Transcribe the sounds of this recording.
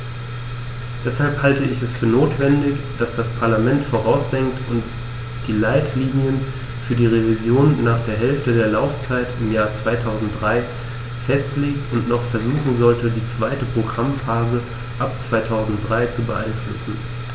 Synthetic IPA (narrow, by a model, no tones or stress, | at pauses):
d̥ɛshalphaltəɪçɛsfyːɐnoːtv̥ɛndɪçd̥asd̥aspʰaɐlamɛntfoːʁ̞aʊsd̥ɛŋktʰʊnt | d̥iːlaɪtʰliːnjən | fyːɐdiːʁ̞evizjoːnːaːχd̥eːɐɦɛlftədeːɐlaʊft͡saɪtɪmjaːɐt͡sv̥aɪtʰaʊzn̩t̚d̥ʁaɪ | fɛstleːk̚tʊntnɔχfɛɐzuːχn̩zɔltədiːt͡sv̥aɪtəpʁ̥oɡʁamfaːzə | ʔap̚t͡sv̥aɪtʰaʊzn̩t̚d̥ʁaɪt͡subəʔa̰ɪnflʊ̰sn̩